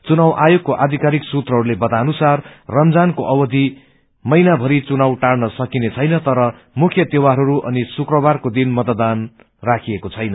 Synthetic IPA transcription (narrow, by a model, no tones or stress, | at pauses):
t͡sunawʔajoɡ̚koʔad̪ʱikaɾiksut̪rʌɦʌɾulebʌt̪anusarːʌmd͡zankoʔʌwʌd̪ʱi | mʌjnabʱʌɾit͡sunawʈaɽnʌsʌkinet͡sʰʌjnʌt̪ʌɾʌ | mukʰjʌt̪ewaɾʌɾuʔʌ̰nisukrʌbarkod̪inmʌt̪d̪an | rakʰiekot͡sʰʌjnʌ